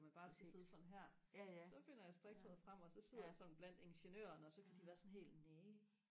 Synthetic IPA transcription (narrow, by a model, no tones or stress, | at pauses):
mænb̥ɑ̈ːsɡ̥æse̝ð̞ˠsɒ̽n̩ɦæɐ̰sɒ̽fe̝n̰ɐjɑ̈sd̥ʁɛɡ̥̚sʰɛð̩̰ˠfʁam̰ɒ̽sɒ̽seð̞̰ˠɐjäsɒ̽n̩b̥læn̰d̥e̝nɕənø̰ːɐnəɒ̽sɒ̽kʰæd̥iʋæːɐsɒ̽nɦe̝̰ːld̥neː